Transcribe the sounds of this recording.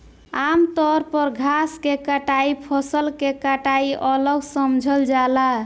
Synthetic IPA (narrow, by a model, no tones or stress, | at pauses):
amt̪ɔɾpəɾɡʱaskekəʈaipʰəsəlkekəʈaiʔələɡsəmd͡ʒʱəld͡ʒala